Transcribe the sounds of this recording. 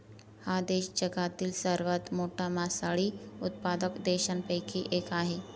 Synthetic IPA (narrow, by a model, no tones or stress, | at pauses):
had̪eɕd͡ʑəɡat̪iːlsəɾʋat̪moʈʰamasaɭiːut̪̚pad̪əkd̪eɕanpəjkʰiːʔekaɦe